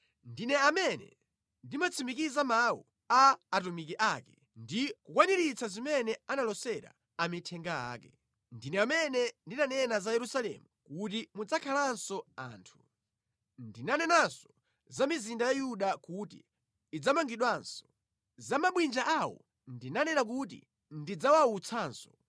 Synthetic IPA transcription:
ndinɛamɛnɛ̰ | ndimat͡sʰimikizamawṵ | aːtumik̬iʔakɛ | ndikukwaniɾit͡sʰazimɛnɛanalɔsɛɾa̰ | amitʰɛŋɡaa̰ːkɛ | ndinɛamɛnɛndinanɛnazajɛɾusalɛ̰mukut̬imud͡zakʰalansɔa̰ːntʰu | ndinanɛnansɔ̥ | zamizindajajuɗakutḭː | d͡zamaŋɡiɗwansɔ̥ | zamaɓwind͡ʒaʔawɔ̰ | ndinanɛnak̬utḭ | ndid͡zawaut͡sʰaːnsɔ

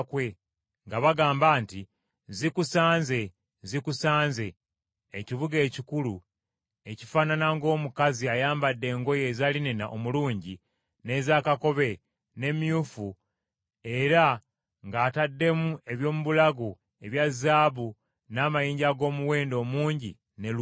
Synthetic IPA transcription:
kwe̞ | ŋɡaβaɡaːmbaːnti | zikusaːnze̞ | zikusaːnze̞ː | ciβuɡe̞ːcikulu | e̞cifaːnanaŋɡo̞ːmukaziajaːmbadːe̞ːŋɡo̞je̞ːzalinenaʔomuluːɲɟi | ne̞zaːkako̞βe̞ | ne̞mjufu | e̞ɾa | ŋɡaːtadːe̞mue̞βjo̞ːmuβulaɡu | e̞βjazːaːβu | naːmajiːɲɟaɡo̞ːmuwe̞ːndo̞ːmuːɲɟḭ | nel

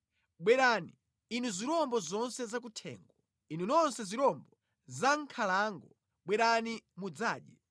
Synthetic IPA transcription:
ɓwɛɾaniː | nuziɾɔmbɔzɔnsɛzak̬utʰɛ̰ːŋɡɔ | inunɔnsɛziɾɔmbɔ | zaŋkʰalaːŋɡɔ | ɓwɛɾanimud͡zaːɗjɛ

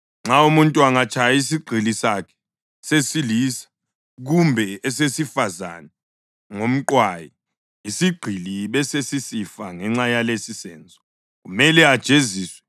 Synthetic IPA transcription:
ŋ͡ǁaumuntʼuaŋat͡ʃʰajis̬iɡ͡ǃʱilisakʰɛ̥ | sesilisḁ | ɣ̬umbʱɛɛsesifaza̰nɛ | ŋom̩ǃwaji | isiɡ͡ǃʱiliɓɛsesisifaŋɛŋ͡ǁajalesisɛːnd͡zʱɔ | kumɛlɛad̥ʒ̥ʱeziːswɛ

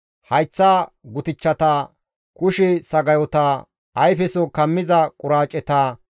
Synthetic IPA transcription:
hɐjt͡sːaɡʊt̪ɪt͡ʃːɐt̪ɐ | kʊʃɛsɐɡɐjɔt̪ɐ | ɐjfɛsɔkɐmːɪzɐkʼʊɾaːt͡ʃʼːɛt̪aː

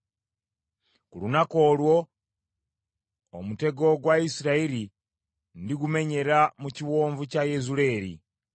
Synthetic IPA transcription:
kulunako̞ːlwo̞ | mute̞ɡo̞ɡwaisiɾaiɾi | ndiɡume̞ɲe̞ɾamuciwo̞ːɱvucajezule̞ːɾḭ

